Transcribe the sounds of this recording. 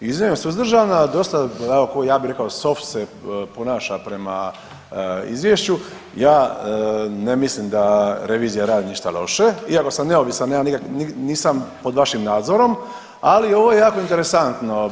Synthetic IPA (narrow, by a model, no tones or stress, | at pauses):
izmeemsuzd̪rʒanad̪o̞st̪aɛokojaːbiɾe̞kaoso̞ft̪seponaːʃapɾe̞ma̰ | ḭzʋjeʃt͡ɕu | jaː | ne̞mislimd̪aɾe̞ʋiːzijaɾaːd̪iniʃt̪alo̞̰ʃe̞iako̞samne̞oʋisanjanikakniniːsampo̞d̪ʋaʃimnaːd̪zo̞ɾo̞m | alio̞ʋojejaːko̞int̪e̞ɾe̞sant̪no̞